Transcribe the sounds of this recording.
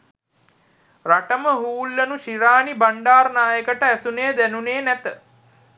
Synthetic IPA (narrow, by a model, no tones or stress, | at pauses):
raʈəməɦuːlːənuʃiɾaːnibaɳɖaːrnaːjəkəʈəæsunejəd̪ænuneːnæt̪ə